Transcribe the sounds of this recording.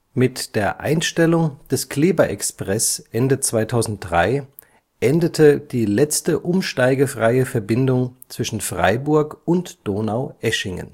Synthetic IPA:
mɪtd̥eːɐʔa̰ɪnʃtɛlʊŋd̥ɛskl̥eːbɐʔɛkspʁ̥ɛsʔɛndət͡sv̥aɪtʰaʊzn̩t̚d̥ʁa̰ɪ | ʔɛndətʰəd̥iːlɛt͡stəʔʊmʃtaɪɡəfʁ̥aɪəfɛɐbɪndʊŋt͡sv̥ɪʃn̩fʁ̥a̰ɪbʊɐkʊntd̥oːnaʊʔɛʃɪŋə̰n

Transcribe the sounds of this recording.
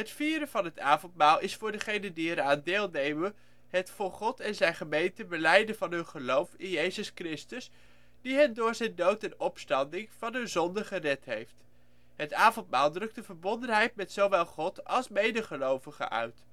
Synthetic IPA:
ɦətfiːɾəv̥ɑnɦətaːvɔntmaːlˠɪsfʊːɹdəχejnəndiɛɾaːndeːlˠnejmən | ɦətfʊːɹχɔtɛnzɛjnχəmejntəbəlɛjdəvɑnɦɵnχəlowfɪnjejzəskrɪstəs | diɦɛndʊːɹzɛjndowtɛnɔpstɑndɪŋv̥ɑnɦɵnzɔndəχərɛtɦejft | ɦətaːvɔntmaːlˠdrɵk̚dəvəɹbɔndənɦɛjtmɛtsowʋɛlˠχɔtɑ̰lˠsmejdəχəlowvəχə̰ʔœ̰ɥt

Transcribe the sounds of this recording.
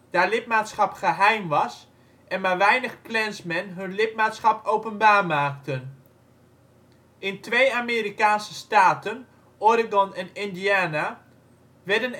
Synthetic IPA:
d̥aːlɪp̚maːtsχɑpχəɦɛjmʋɑs | ʔɛnmaːɹʋɛjnəχplɛnsmɛnɦɵnlɪp̚maːtsχɑpowpənbaːɹmaːktən | ʔɪntʋejameːɾikaːnsəstaːtən | ɔrɪɡɔnɛnɪndiaːna | ʋɛdən

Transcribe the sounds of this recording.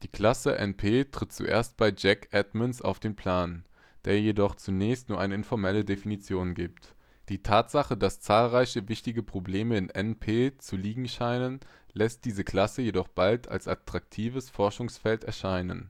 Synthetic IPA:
d̥iːkl̥asəʔɛ̰npʰeːtʁ̥ɪt̚t͡sṵʔḛːɐst̚b̥aɪd͡ʒɛkʔɛtmənsa̰ʊfd̥eːnpʰl̥aːn | d̥eːɐjedɔχt͡sunɛːçstnuːɐʔaɪnəɪnfɔɐmɛlədefinit͡sjoːnɡiːp̚t | d̥iːtʰaːtz̥aχədast͡saːlʁaɪçəvɪçtɪɡəpʁ̥obleːməɪnʔɛnpʰeːt͡suliːɡŋ̩ʃaɪnən | lɛst̚d̥iːzəkl̥asəjedɔχb̥altʰa̰lsʔa̰tʁ̥ak̚tʰiːvəsfɔɐʃʊŋsfɛltɛɐʃaɪnə̰n

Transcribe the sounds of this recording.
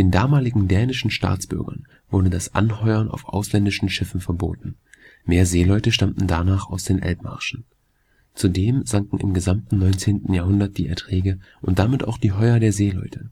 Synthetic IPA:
d̥eːndaːmaːlɪɡŋ̩dɛːnɪʃn̩ʃta̰ːt͡sb̥ʏ̰ɐɡɐ̰n | vʊɐdədasʔa̰nɦɔʏɐna̰ʊfʔa̰ʊslɛndɪʃn̩ʃɪfn̩fɛɐbo̰ːtn̩ | meːɐzeːlɔʏtəʃtamtn̩danaːχaʊsd̥eːnʔɛ̰lpma̰ɐʃn̩ | t͡sudeːmzaŋkŋ̩ɪ̰mɡəzamtn̩nɔʏnt͡seːntn̩jaːɐɦʊndɐt̚d̥iːʔɛ̰ɐtʁ̥ɛːɡəʔʊnt̚d̥amɪtʔa̰ʊxd̥iːɦɔʏɐdeːɐzeːlɔ̰ʏtʰə

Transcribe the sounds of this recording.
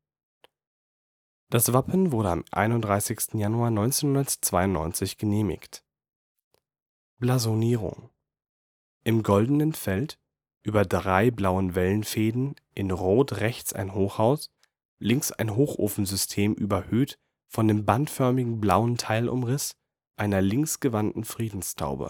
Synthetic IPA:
d̥asv̥apʰn̩vʊɐɾəa̰mʔa̰ɪnʊntdʁaɪsɪçstn̩januaːnɔʏnt͡seːnhʊndɐtt͡sv̥aɪʊntnɔ̰ʏnt͡sɪçɡ̥əneːmɪ̰çt | b̥lazoniːʁʊ̰ŋ | ʔɪmɡɔldənənfɛlt | ʔyːbɐdʁaɪblaʊənvɛlənfeːdn̩ | ʔɪnʁoːtʁɛçt͡sa̰ɪnɦoːxhaʊs | lɪŋksa̰ɪnɦoːxʔo̰ːfn̩zʏstʰeːmʔyːbɐhøːt | fɔndeːmbantfœɐmɪɡŋ̩blaʊəntʰaɪlʔʊ̰mʁɪs | ʔaɪnɐlɪŋsɡ̥əvantn̩fʁ̥iːdn̩stʰa̰ʊbə̰

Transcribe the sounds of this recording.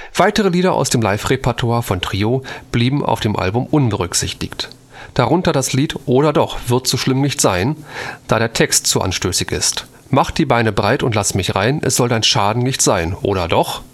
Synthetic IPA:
v̥aɪtəʁ̞əliːdɐʔa̰ʊsd̥eːmlaɪfʁepʰɛɐtʰwaːɐfɔntʁ̥iːob̥liːbm̩a̰ʊfd̥eːmʔa̰lbʊmʔʊnbəʁʏkz̥ɪçtɪkt | d̥aʁʊntɐdasliːtʔoːɾɐdɔχv̥ɪɐtz̥oːʃlɪmnɪçtz̥aɪnd̥aːɾeːɐtʰɛkstz̥uʔa̰nʃtøːsɪçɪ̰st | maχd̥iːbaɪnəbʁaɪtʊntlasəmɪçʁaɪnʔɛ̰sz̥ɔldaɪnʃaːdn̩nɪçtz̥aɪnʔo̰ːɾɐdɔχ

